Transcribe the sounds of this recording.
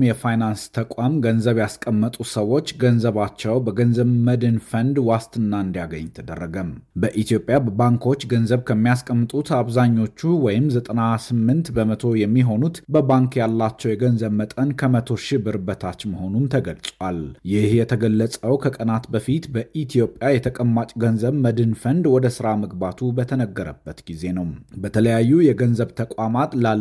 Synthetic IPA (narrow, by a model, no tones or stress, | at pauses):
mjɛfajnanst̪ʰəkʷʼamɡənzəβjaskʼəmːət̪ʼusəwo̞t͡ʃːɡənzəβat͡ʃːɛwbəɡənzəβməd̪ɨnfənd̪wast̪ʰɨnːaɨnd̪ijaɡəɲːt̪ʰəd̪ə̰rːəɡəmbəʔit̪ʰijo̞pʼjabəbaŋkʰo̞t͡ʃːɡənzəβkʰəmːijaskʼəmːɨt̪ʼut̪aβzaɲːo̞t͡ʃːuwɔjɪmzət̪ʼənasɨmːɨnt̪bəmət̪ʰo̞jɛmːiɦo̞nut̪bəbaŋkjalːat͡ʃːɛwjɛɡənzəβmət̪ʼənkʰəmət̪ʰo̞ʃɪbɨɾbət̪ʰat͡ʃːməho̞numt̪ʰəɡəlsʼwaljɪhjɛt̪ʰəɡəlːəsʼəwkʰəkʼənat̪bəfit̪bəʔit̪ʰijo̞pʼjajɛt̪ʰəkʼəmːat͡ʃʼɡənzəβməd̪ɨnfənd̪wɔd̪əsɨɾaməɡbat̪ʰubət̪ʰənəɡːəɾəbːət̪ɡ̥ize̞nəwbət̪ʰələjajːujɛɡənzəβt̪ʰəkʷʼamat̪la